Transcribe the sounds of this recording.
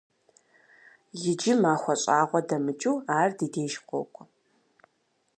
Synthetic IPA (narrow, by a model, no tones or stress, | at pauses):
jɪd͡ʒɪmaːxʷɔɕʼaːʁʷɔdɐmɨt͡ʃʼuːaːrdiːdeːʒqʷɔ̰kʷʼɔ